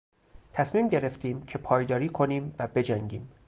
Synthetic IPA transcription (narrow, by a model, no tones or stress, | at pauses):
t̪ʰæsmiːmɟe̞ɾe̞ft̪iːmcʰe̞pʰɒːjd̪ɒːɾiːkʰo̞niːmvæbe̞d͡ʒæŋɟḭːm